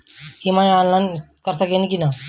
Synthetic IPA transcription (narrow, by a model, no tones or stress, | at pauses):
imãːaːnlaːɪnkəɾsəkenikinaː